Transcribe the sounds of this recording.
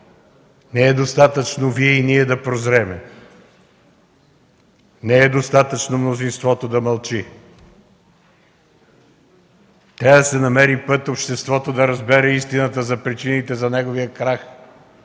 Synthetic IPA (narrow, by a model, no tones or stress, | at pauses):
nɛɛd̪ost̪at̪ət͡ʃnoviɛiniɛd̪ɐpɾozɾɛmɛ | nɛɛd̪ost̪at̪ət͡ʃnomnozinst̪vɔt̪od̪ɐmɐlˠt͡ʃi | t̪ɾʲavd̪ɐsɛnɐmɛɾipɤt̪opʃt̪ɛst̪vɔt̪od̪ɐɾɐzbɛɾɛist̪inət̪əzɐpɾit͡ʃinit̪ɛzɐnɛɡovijəkɾax